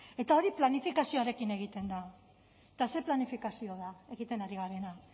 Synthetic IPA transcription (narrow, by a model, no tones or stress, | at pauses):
e̞t̪ao̞ɾiplanifikasio̞aɾe̞kine̞ɣ̞it̪e̞nd̪a | et̪ase̞planifikasio̞ðae̞ɣit̪e̞naɾiɣaɾe̞na